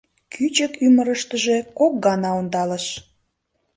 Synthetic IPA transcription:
kʰyt͡ɕəkyməɾəʃt̪əʒe̽kok̚ɡɑnɑond̪ɑləʃ

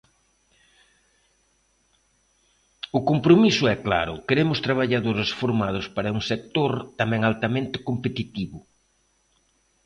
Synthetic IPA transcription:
ʊkompɾomisʊɛkla̰ɾʊkeɾemʊst̪ɾaβ̞aʎaðoɾɪsfoɾmað̞ʊspaɾɐuŋsek̚t̪oɾt̪amɛ̃ŋalt̪ɐmẽnt̪ɪ̥kompet̪it̪iβʊ

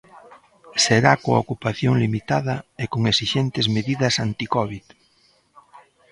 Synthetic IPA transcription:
seɾakoaokupaθjoŋlimit̪aðɐekoŋesiʃent̪ezmeðiðɐsant̪ikɔβið

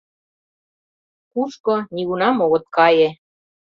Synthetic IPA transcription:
kuʃkoniɣunɑmoɣɤ̆t̪̚kɑje

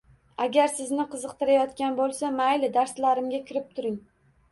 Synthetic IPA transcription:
aɡʲaɾsɪznɪqʰɨzɨq̚t̪ɪɾajɒt̪kʲanbolˠsamajlɪd̪aɾslaɾɪmɡʲakʲʰɪɾɪp̚t̪ʰʊɾɪŋ

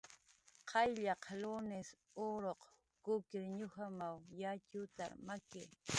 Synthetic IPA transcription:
qʰɑjʎɑqlonɪs | oɾoq | kʊkɪɾɲʊhamawjat͡ʃʊt̪aɾmakɪ

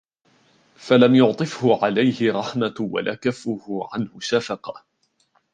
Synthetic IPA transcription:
falamjʊʕt̪ˤɨfhʊʕalajhɪɾˤɑħmawa̰lʔa̰ːkafːʊhʊʕanhʊʃafɑqɑ

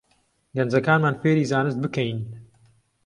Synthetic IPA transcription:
ɡɐnd͡zɐkaːnmaːnfeːɾiːzaːnɨs̬t̪̚bɨkɐjn

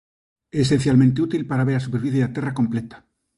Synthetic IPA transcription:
eːse̞n̟θjalmẽnt̪eut̪ilpaɾaβeɾasupeɾfiθjeðat̪e̞rako̞mplet̪ḁ

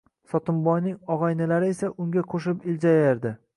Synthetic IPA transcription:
sɒt̪ʊmbɒjnɪŋɒʁɑjnɪlaɾɪe̞saʔʊŋɡʲaqʰoʃɪpɪld͡ʒajaɾd̪ɪ

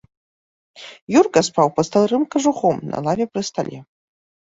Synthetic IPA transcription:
jurkɐspʰawpɐst̪alˠrɨmkɐʐuχomnʔa̰lˠavʲɛprɨst̪alʲʔe

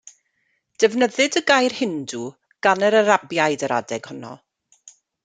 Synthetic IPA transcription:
d̥ɛvnəðɨdəɡajrhɪndu | ɡ̥anəɾəɾabjajdəɾa̰dɛɡ̥hʊnɔ̰

